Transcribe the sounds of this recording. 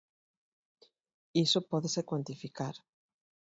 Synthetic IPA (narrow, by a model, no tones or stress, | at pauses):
isopɔðesekwant̪ifikaɾ